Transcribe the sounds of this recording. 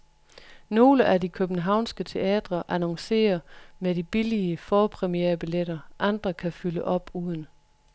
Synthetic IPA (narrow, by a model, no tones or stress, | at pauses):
no̝ːləʔædikʰøb̥n̩ɦɑ̈ʊ̰nsɡ̥ət͡sʰe̝ɛ̰ːd̥ʁɐʔænɒ̽ŋse̝̰ːɐmeɾib̥iliəfɒːpʰʁɛmiḛːɐb̥ileɾɐʔɑnd̥ʁɐkʰæfyləʔɒ̽b̥uːð̞ˠn̩